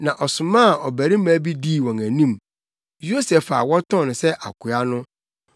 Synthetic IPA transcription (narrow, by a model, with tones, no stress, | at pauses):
nã˨ʔɔ˨sʊ˨mã˦˨ɔ˨bæ˨ɾi˦mã˨˦bi˦diː˦˨wɔ̃˨ŋæ˨nĩ˦˨m | jo˦sɛ˨fa˨wɔ˦tʰɔ̃˦˨ñ˨sɛ˦ʔa̰˨kʰʊ˨˦a˦nʊ̃˦